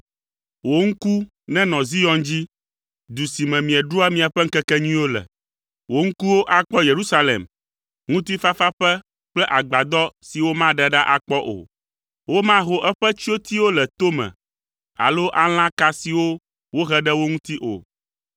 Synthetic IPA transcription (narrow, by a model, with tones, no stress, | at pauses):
wo˦ŋ̩˦ku˦ | nɛ̃˦nɔ̃˨zi˦jɔ̃˨nd͡ʑi˦ | d̪u˨si˨mɛ̃˨mĩ˨ɛ˨ɖu˦a˦mĩ˨a˨ɸɛ˦ŋ̩˦kɛ˦kɛ˦ɲĩ˦wo˦lɛ̰˨ | wo˦ŋ̩˦ku˦wo˦ʔa˨k͡pɔ˦je˨ɾu˦sa˦lḛ˨m | ŋũ˦t̪i˦fa˦fa˦ɸɛ˦ | k͡plɛ˦ʔa˨ɡ͡ba˨d̪ɔ˦si˨wo˦mã˦ɖɛ˦ɖa˦ʔa˨k͡pɔ˦ʔo̰˨ | wo˦mã˦ɦo˨ʔɛ˦ɸɛ˦t͡ɕi˦o˦t̪i˦wo˦lɛ˨t̪o˦mɛ̰̃˨ | a̰˨lo˦ʔa˦l̃ã˦ka˦si˨wo˦ | wo˦ɦɛ˦ɖɛ˦wo˦ŋũ˦t̪i˦ʔo̰˨